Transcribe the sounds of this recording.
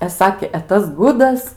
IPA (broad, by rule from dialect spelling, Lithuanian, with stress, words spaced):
ɛ ˈsɑːkʲeː ɛ ˈtɐs ˈɡʊdɐs